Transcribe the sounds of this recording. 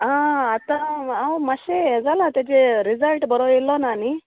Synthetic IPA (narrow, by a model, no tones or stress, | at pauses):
ɦãat̪ããwmaɕeɦɛd͡zalat̪jat͡ɕeɾizəlʈbəɾoilːɔnani